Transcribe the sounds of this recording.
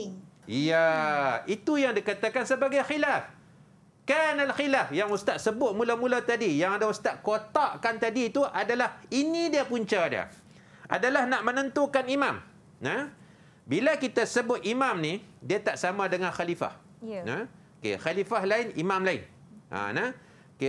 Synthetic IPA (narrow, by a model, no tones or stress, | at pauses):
ijait̪ujaŋdikat̪akansəbaɡajxilaf | kanalxilafjaŋust̪at̪̚səbʊt̪̚mulamulat̪adijaŋadaust̪aʔ̪̚kot̪aʔkant̪adiːt̪uʔadalahinidiapuɲt͡ʃadia̰ | ʔa̰dalahnaʔmənənt̪ukanimam | na | bilakit̪asəbʊt̪̚imamnĩdiat̪aʔsamãdəŋanxalifa̰h | naokḛxalifahlaɪnḭmamlaɪ̰n | ʔa̰na | ke